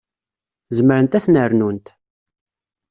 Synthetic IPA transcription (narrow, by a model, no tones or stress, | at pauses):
zəməɾənt̪æθnəɾnunt̪